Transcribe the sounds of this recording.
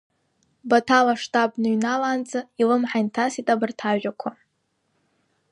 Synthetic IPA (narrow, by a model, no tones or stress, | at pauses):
batʰalaʂtʼabnɨɥnalaːnt͡sʼailɨmħajntʰasitʼabɨrtʰaʒʷᶣakʷʰa